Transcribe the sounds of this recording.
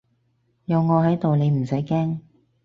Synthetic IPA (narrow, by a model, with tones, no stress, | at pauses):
jɐ˨˧wŋɔː˨˧hɐ˨˥jt̪o˨wne˨˧jm̩˨˩sɐ˨˥jkɛː˥ŋ